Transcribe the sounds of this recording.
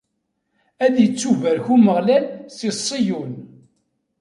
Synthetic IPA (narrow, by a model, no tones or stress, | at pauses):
æðjət͡sːuvæɾçuməʁlælsisˤːijun